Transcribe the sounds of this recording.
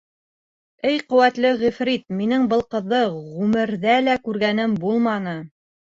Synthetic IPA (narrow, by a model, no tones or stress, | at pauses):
ɘjqɵ̆wæt̪lɘʁɵ̆fɾit̪̚minɘŋbɤ̆lˠqɤ̆ðːɤʁʉmɘ̆ɾðælækʉɾɣænɘmbulˠmɑnɤ